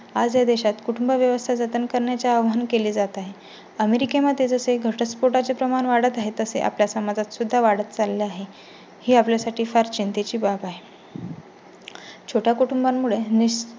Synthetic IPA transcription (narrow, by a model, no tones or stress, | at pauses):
ad͡zjad̪eɕat̪kuʈumbəʋjəʋəst̪ʰad͡zət̪ənkəɾɳjat͡ɕjaːʋɦankeliːd͡zat̪aɦe | əmeɾikemat̪ed͡zəseɡʱəʈəspoʈat͡sepɾəmanʋaɽət̪aɦet̪əsḛʔa̰pljasəmad͡zat̪sud̪ʱːaʋaɽət̪t͡salːeaɦe | hiːapljasaʈʰiːfaɾt͡ɕint̪et͡ɕiːbabaɦe | t͡ɕʰoʈʰjakuʈumbamːuɭeni